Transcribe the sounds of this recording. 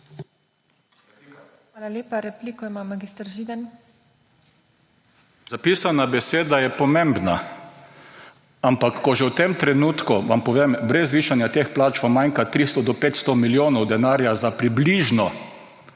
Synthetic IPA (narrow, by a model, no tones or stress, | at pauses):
aːlaljeːpaɾɛplikɔimamːaɡiːst̪ɾʒiːd̪an | zapiːsanabɛseːd̪ajɛpɔmẽmbna̰ | ampakːɔʒɛwt̪emt̪ɾɛnuːt̪kuʋampɔʋembɾɛzʋiːʃanjat̪eːxplaːt͡ʃʋamajŋkat̪ɾist̪ɔd̪ɔpeːt̪st̪ɔmiljoːnɔwd̪ɛnaːɾjazapɾibliʒnɔ